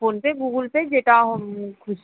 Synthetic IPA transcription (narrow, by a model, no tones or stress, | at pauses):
oːnpeɡuːɡəlped͡ʒeːʈaɦəmkʰʊʃ